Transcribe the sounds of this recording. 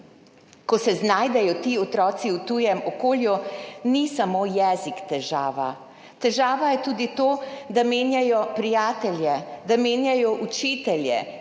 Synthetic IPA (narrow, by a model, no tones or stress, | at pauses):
kɔsɛznaːjd̪ɛjɔt̪iːɔt̪ɾɔːt̪siwt̪ujɛmɔkoːljunisamoːjɛzikt̪ɛʒaːʋa | t̪ɛʒaːʋajɛt̪uːd̪it̪oːd̪ameːnjajɔpɾijaːt̪ɛlʲjɛd̪ameːnjajɔʔut͡ʃiːt̪ɛljɛ̰